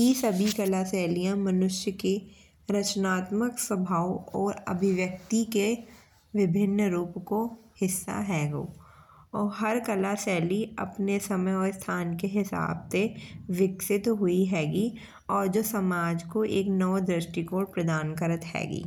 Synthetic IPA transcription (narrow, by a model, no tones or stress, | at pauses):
isɐbʱikɐlaːsɛːlijãmɐnʊʃjəke | ɾɐt͡ʃnaːt̪məksəbʱaːwɔːɾɐ̰bʱɪʋjək̚t̪ike | ʋɪbʱɪnːəɾuːpkohɪsːa̰ɦɛːɡo̰ː | ɔːɾɦɐɾkɐlaːsɛːliɐ̰pnesɐməjɔːɾst̪ʰaːnkeɦɪsa̰ːbseʋɪksɪt̪ɦʊiɦɛːɡi | ɔːɾd͡ʒoːsɐmaːd͡ʒkoʔḛːknɐʋd̪ɾɪʃʈikoːʈ̚pɾɐd̪aːnkəɾət̪ɦɛ̰ːɡḭː